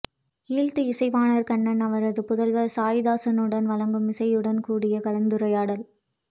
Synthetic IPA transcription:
iːɭt̪ɯɪsɐɪʋaːnɐɾkɐɳːɐnɐʋɐɾɐðɯpʊðɐlʋɐsaːjɪðaːsɐnɯɽɐnʋɐlɐŋɡɯmɪsɐɪjɯɽɐnkuːɽɪjɐkɐlɐnd̪ɯɾɐjaːɽɐl

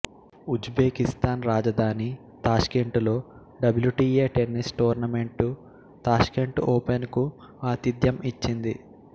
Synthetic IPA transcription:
ud͡ʒbe̞ːkist̪aːnɾaːd͡ʒɐd̪ʱaːni | t̪aːʃkeɳʈulo̞ː | ɖɐbljuʈiːeːʈe̞nːisʈoːɾnɐme̞ɳʈu | t̪aːʃkeɳʈoːpenku | aːt̪id̪jɐmit͡ʃːind̪ḭ

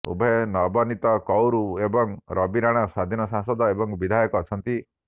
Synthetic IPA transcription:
ṵbʱɔenɔbɔnit̪ɔkɔwɾuebɔŋɾʔɔbiɾaɽ̃asad̪ʱinɔsãŋsɔd̪ɔebɔŋbid̪ʱajɔkɔːt͡ʃʰɔnt̪i

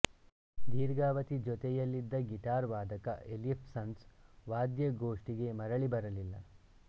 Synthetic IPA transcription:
d̪iːɾɡaːʋɐt̪id͡ʒɔt̪ɛjɐlːid̪ːɐɡiʈaːɾʋaːd̪ɐkɐʔelipʰsɐnsʋaːd̪jɐɡoːʂʈiɡe̞mɐɾɐɭibɐɾɐlilːɐ̰

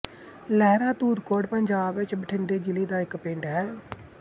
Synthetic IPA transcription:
lɛːɾãːt̪uːɾkoːɖpəɲd͡ʒaːbʋɪt͡ʃbəʈʰɪnɖ̪eːd͡ʒɪliːd̪aːɪkpɪɳɖɦɛː

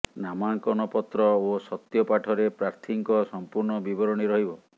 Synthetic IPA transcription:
namaŋkɔnɔpɔt̪ɾɔosɔt̪jɔpaʈʰɔɾepɾaɾt̪ʰiŋkɔsɔmpuɾɳɔbibɔɾɔɽ̃iɾɔɦibɔ

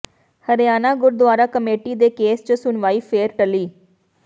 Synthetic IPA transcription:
həɾjaːnaːɡʊɾd̪ʊaːɾaːkəmeːʈiːd̪eːkeːst͡ʃsʊnʋaːiːpʰeːɾʈəliː

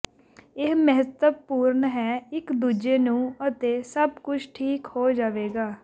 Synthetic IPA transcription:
ɪɦməɦət̪əbpuːɾnɦɛːɪkd̪uːd͡ʒeːnũːət̪eːsəbkʊt͡ʃʰʈʰiːkhoːd͡ʒaːʋeːɡaː

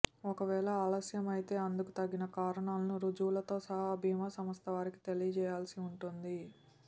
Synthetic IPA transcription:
ɔkɐʋɛːlɐaːlɐsjɐmɐjit̪e̞ːɐnd̪ukut̪ɐɡːinɐkaːɾɐɳaːlɐnuɾud͡ʒuːlɐt̪o̞ːsɐɦɐːbʱiːɐmasɐmɐst̪ɐʋaːɾiki̥t̪e̞lijɐt͡ʃɛːjaːlɐsiuɳʈund̪i

